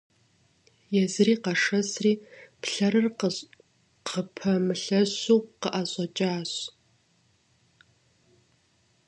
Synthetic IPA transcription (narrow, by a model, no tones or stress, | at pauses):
jɛzɨriːqɑʂɐsriːpɬɐɾɨr | qʰəpʰɐmɨɬɐɕuːqəʔaɕʷʼɐt͡ʃʼaːɕ